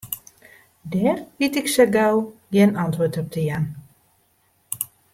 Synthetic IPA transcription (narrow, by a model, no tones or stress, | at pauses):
dɛrʋitɪksəɡawɡjɛnɑntʋoːtɔp̚tʰəjan